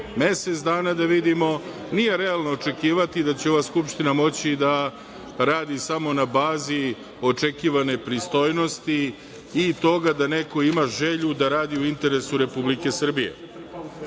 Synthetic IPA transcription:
me̞se̞t̪sd̪aːnad̪aʋid̪imo̞ | nije̞ɾe̞alˠnoːt͡ʃe̞kiːʋat̪id̪at͡ɕeo̞ʋaskupʃt̪inamo̞t͡ɕid̪a | ɾaːd̪isamo̞nabaːzi | o̞t͡ʃe̞kiːʋane̞pɾist̪o̞jno̞st̪iː | t̪o̞ɡad̪ane̞ko̞imaʒe̞ʎud̪aɾaːd̪iuint̪e̞ɾe̞suɾe̞publike̞sr̩bijḛ

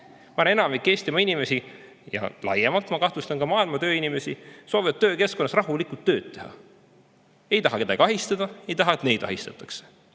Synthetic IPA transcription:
mɑɑnnenɑmikːˑeːsʲt̪imɑinime̞si | jɑ̰lɑ̰jemɑlt̪mɑkɑht̪ust̪ɑnkɑmɑːilmɑt̪ø̞ːinime̞siso̞ːvivɑt̪ːø̞ːke̞sko̞nːɑsrɑɦulikult̪ːøːd̪e̞hɑ̰ | e̞jt̪ɑɦɑke̞d̪ɑ̰ɡ̥ɑɦist̪ɑd̪̥ɑe̞jt̪ɑɦɑet̪ne̞jd̪̥ɑ̰ɦist̪ɑt̪ːˑɑ̥kse̥

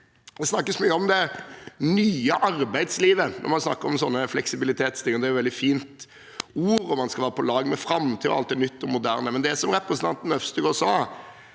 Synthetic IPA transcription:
d̪ɛsnɑkːəsmyːəɔmd̪ɛnyːəʔɑɾbæɪd̪sliːʋənʔɔ̰ɾmɑnsnɑ̰kːəɾɔmsɔnːəflɛksɪbɪlɪt̪ʰeːt̪st̪ɪːəəd̪ɛæɾjʊʋɛld̪ɪfiːnt̪ | uːɾɔmɑnskɑlʋæːɾəpʰɔlɑːɡmɛfɾɑmt̪ʰɪlɔ̰ɑ̰lt̪̚d̪ɛnʏt̪ːɔmʊd̪æ̰ːɾnəmɛnd̪ɛæsɔmɾɛpɾəsən̩t̪ɑnt̪n̩œfst̪əɡɔsɑː

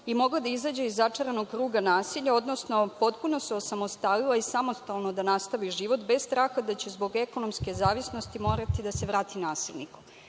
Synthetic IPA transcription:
imo̞ɡlad̪aizad͡ʑeizːat͡ʂaɾanoɡkɾuːɡanaːsiʎao̞d̪nosno̞po̞t̪puno̞seo̞samo̞st̪alilˠaisamo̞st̪alˠno̞d̪anast̪aʋiʒiʋo̞t̪be̞zst̪ɾaːxad̪at͡ɕezbo̞ɡeko̞no̞mske̞zaːʋisno̞st̪imo̞ːɾat̪id̪aseʋɾaːt̪inaːsilˠniku̥

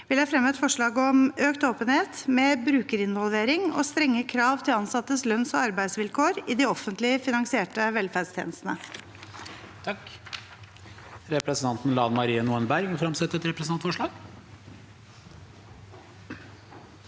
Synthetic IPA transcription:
ʋɪld̪æɪfɾɛmɛt̪fɔʂɭɑːɡɔmøːkt̪oːpənheːt̪mɛbɾʉːkəɾɪnʋɔlʋeːɾɪŋɔ̰st̪ɾɛŋːəkʰɾɑːʋt̪ʰɪlɑnsɑt̪ːəslœnsɔɑɾbæɪd̪sʋɪlkʰoːɾɪd̪ɪɔfənt̪lɪəfɪnɑŋsɪeːʈəʋɛlfæːɖst̪ʰjḛːnəst̪ənə | t̪ʰɑk | ɾɛpɾɛsnt̪ʰɑnt̪n̩lɑːnmɑɾiːənuːənbæɾɡfɾɑmsɛt̪ːɛt̪ɾɛpɾɛsnɑnfɔʂɭɑːɡ

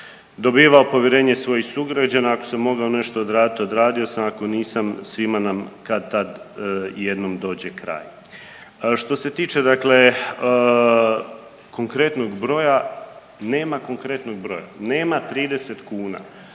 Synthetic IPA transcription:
d̪o̞biːʋaopo̞ʋjeɾe̞ːɲesʋo̞jixsuɡɾad͡ʑanaːkosamːo̞ɡaone̞ʃt̪o̞od̪ɾaːd̪it̪od̪ɾaːd̪io̞samako̞niːsamsʋimanamkad̪̚t̪ad̪je̞d̪no̞md̪o̞ːd͡ʑe̞kɾa̰ːj | ʃt̪o̞se̞t̪iːt͡ʃe̞d̪akle̞ | ko̞ŋkɾe̞t̪no̞ɡbɾo̞ja | ne̞ːmako̞ŋkɾe̞t̪no̞ɡ̚bɾo̞̰ja̰ne̞ːmat̪ɾiːd̪e̞set̪kuːna̰

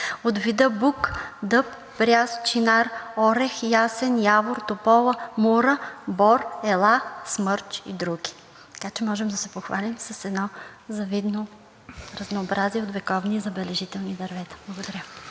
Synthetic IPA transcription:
od̪vid̪əbukd̪ɤpː | bɾʲjast͡ʃinaɾɔɾɛxjasɛnjavoɾt̪opɔlˠəmuɾəbɔɾɛlˠasmɤɾt͡ʃḭd̪ɾuɡʲi̥ | t̪ɐ̥kat͡ʃɛmɔʒɛmd̪ɐsɛpoxvalʲimsɐsɛd̪nɔ | zɐvid̪no | ɾɐznoːbɾaziɛot̪vɛkɔvnizɐbɛlɛʒit̪ɛlˠnid̪ɐɾvɛt̪ɐ̥blˠɐɡod̪ɐɾʲə

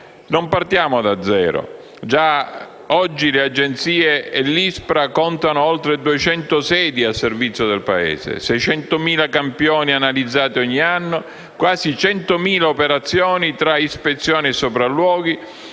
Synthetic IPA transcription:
nompart̪jaːmʊd̪ad̪zːɛːɾo̰ | d͡ʒa | ɔd͡ʒːilead͡ʒːent̪siːeɛlːispɾakɔnt̪anʊɔlt̪ɾed̪uet͡ʃɛnt̪ʊsɛːd̪iasːervit̪sːjʊd̪ɛlpaɛ̰ːsḛsɛjt͡ʃɛnt̪ʊmiːlakampjɔːnianalid̪zːaːt̪iɔɲːianːo | kwaːzit͡ʃɛnt̪ʊmiːlaopeɾat̪sːjɔːnit̪ɾaispet̪sːjɔːniɛsːopɾalːwɔːɡi

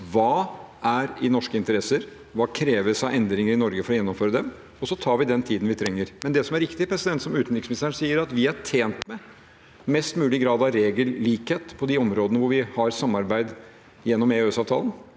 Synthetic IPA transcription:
ʋɑːʔæɾɪnɔʂkəɪnt̪əɾɛsəɾ | ʋɑːkʰɾeːʋəsɑɛnd̪ɾɪŋəɾɪnɔɾɡəfɔɾɔjɛnːɔmføːɾəd̪ɛm | ɔsɔt̪ʰɑːɾʋɪd̪ɛnt̪ʰiːd̪nʋɪt̪ʰɾɛŋːəɾmɛnd̪ɛsɔmæɾɪkt̪ɪpʰɾɛsɪd̪ɛnt̪sɔmʉːt̪nɾɪksmɪnɪst̪ʰæɳsiːəɾɑt̪ʋɪæʈʰeːnt̪mɛ | mɛst̪mʉːlɪɡɾɑːd̪ɑɾeːɡəlːiːkheːt̪pʰɔd̪ɪɔmɾoːd̪ənəʋʊɾʋɪhɑɾsɑmːɑɾbæɪd̪ | jɛnːɔmeøːsɑːʋt̪ʰɑ̰ːlən

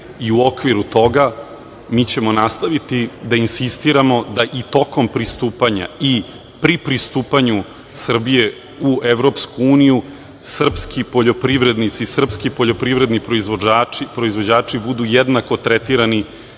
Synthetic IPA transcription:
iuo̞kʋiɾut̪o̞ɡa | miːt͡ɕe̞mo̞nast̪aʋit̪id̪ainsist̪iɾamo̞d̪aʔit̪o̞ko̞mpɾist̪uːpaɲa̰i | pɾipɾist̪uːpaɲu | sr̩bije̞ | ueʋɾo̞pskuuːniju | sr̩pskipoʎo̞pɾiʋɾe̞d̪nit̪sisr̩pskipoʎo̞pɾiʋɾe̞d̪nipɾoizʋoaipɾo̞izʋo̞d͡ʑaːt͡ʂibud̪ujed̪nako̞t̪ɾet̪iɾani

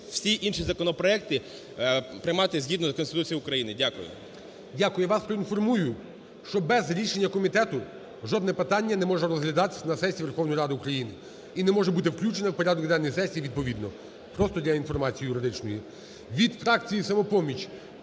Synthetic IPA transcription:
wsʲiʔinʃizɐkɔnɔpɾɔɛk̚t̪ɪ | pɾɪjmɑt̪ɪzʲɦʲid̪nɔɐkɔnst̪ɪt̪ut͡sʲijʊkɾɐjinɪdʲakʊjʊ̰ | dʲakʊjɛʋɑspɾɔinfɔrmujʊ | ʃt͡ʃɔbɛzɾʲiʃenʲːɐkɔmʲit̪ɛt̪ʊ | ʒɔd̪nɛpɪt̪ɑnʲːɐnɛmɔʒɛɾɔzɦlʲɐd̪ɑt̪ɪ̥sʲɐnɐsɛsʲiʋe̞rxɔwnɔjiɾɑd̪ɪʊkɾɐjinɪ | inɛmɔʒɛbut̪ɪwklʲut͡ʃenɐwpɔɾʲad̪ɔkd̪ɛnːɔjsɛsʲijiʋʲid̪̚pɔʋʲid̪nɔ | pɾɔst̪ɔdʲɐinfɔrmɑt͡sʲijːjʊɾɪd̪ɪt͡ʃnɔji | ʋʲid̪fɾɑkt͡sʲijisɐmɔpɔmʲit͡ʃʲ

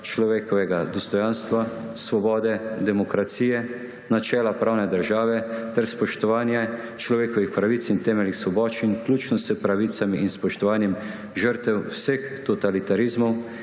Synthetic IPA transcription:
t͡ʃlɔʋeːkɔʋɛɡad̪ɔst̪ɔjanst̪ʋa | sʋɔbɔːd̪ɛd̪ɛmɔkɾat̪siːjɛ | nat͡ʃɛːlapɾaːwnɛd̪əɾʒaːʋɛt̪ɛɾspɔʃt̪ɔʋaːnja | t͡ʃlɔʋeːkɔʋixpɾaʋiːt̪sint̪ɛːmɛlixsʋɔbɔːt͡ʃinklʲuːt͡ʃnɔsəpɾaʋiːt̪samiʔinspɔʃt̪ɔʋaːnjɛm | ʒəɾt̪ɛwsəx | t̪ɔt̪alit̪aɾizmɔw

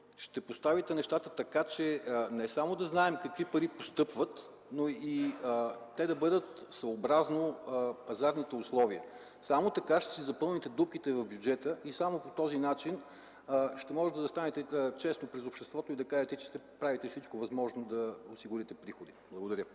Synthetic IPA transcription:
ʃt̪ɛpost̪avit̪ɛnɛʃt̪at̪ət̪ɐkat͡ʃɛnɛsamod̪ɐznaɛmkɐkvipɐɾipost̪ɤpvət̪ | noi | t̪ɛd̪ɐbɤd̪ət̪svoːbɾaznopɐzaɾnit̪ɛʊslˠɔviə | samot̪ɐkaʃt̪ɛ̥sizɐpɤlˠnit̪ɛd̪up̚k̟ʲit̪ɛvɐvbjud͡ʒɛt̪əʔisamopot̪ɔzinat͡ʃin | ʃt̪ɛmɔʒɛt̪ɐzɐst̪anɛt̪ɛt͡ʃɛsnopɾɛzopʃt̪ɛst̪vɔt̪oid̪ɐkaʒɛt̪ɛt͡ʃɛ̥ʃt̪ɛpɾavit̪ɛfsit͡ʃkovɐzmɔʒnod̪ɐosiɡʊɾit̪ɛpɾixod̪iblˠɐɡod̪ɐɾʲjə

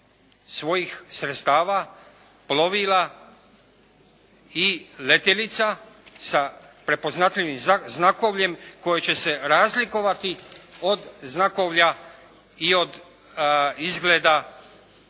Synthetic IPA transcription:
sʋo̞jixsɾet̪st̪aːʋa | plo̞ʋila | ilet̪elit̪sasa | pɾe̞po̞znat̪ʎʲiʋimznako̞ʋʎe̞mko̞jet͡ɕe̞se̞ɾaːzlikoʋat̪io̞d̪znako̞ʋʎa | io̞d̪ | izɡleːd̪a

